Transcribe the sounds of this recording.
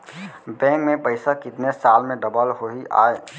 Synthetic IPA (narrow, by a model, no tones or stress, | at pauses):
bɛ̃ːŋkmẽpəɪsakɪt̪nesaːlmẽɖəbəlɦoia̰ːe